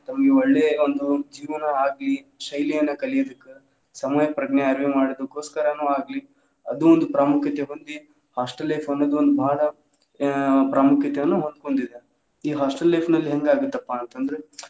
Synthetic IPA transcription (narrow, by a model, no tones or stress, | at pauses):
t̪ɐmːɡeoɭːeːond̪ud͡ʒiːʋɐnɐaːɡli | ʃɐjlijɐnːɐkɐlijod̪ɐkːe | sɐmɐjɐpɾɐɡɳeɐɾʋimaːɽod̪ukːo̞ːskɐɾɐnuːaːɡli | ɐd̪uond̪upɾaːmukʰjɐt̪eɦond̪i | haːsʈɐlːɐjpʰɐnːod̪uond̪ubʱaːɽɐ | pɾaːmukʰjɐt̪ejɐnːuɦo̞nd̪̚ko̞ɳd̪id̪e | iːɦaːsʈɐlːɐjpʰnɐlːiɦe̞ŋɡaːɡut̪ːɐpːaɐnt̪ɐnd̪ɾe